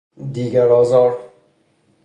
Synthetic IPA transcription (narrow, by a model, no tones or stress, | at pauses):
d̪iɡaɾɔzɔɾ